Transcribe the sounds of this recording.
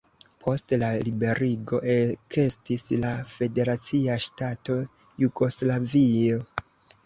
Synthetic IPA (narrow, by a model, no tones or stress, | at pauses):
pʰo̞stlalibe̞ɾiɡo̞ʔekʰe̞stislafe̞de̞ɾat͡siaʃtato̞ | juɡo̞slavio